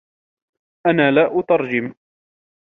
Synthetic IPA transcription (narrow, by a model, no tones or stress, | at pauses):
ʔanaːlaːʔʊt̪ɑɾˤd͡ʒɪm